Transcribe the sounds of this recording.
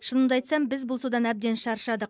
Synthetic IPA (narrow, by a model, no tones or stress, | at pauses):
ʃənəmd̪ɑɑjt̪sɑmbɪzbʊlˠsud̪ɑnæb̚d̪e̞nʃɑɾʃɑd̪əq̚